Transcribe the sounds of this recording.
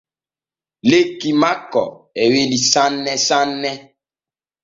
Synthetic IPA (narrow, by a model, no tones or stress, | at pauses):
lekimakɔ̰ | ɛwelisanːɛsanːɛ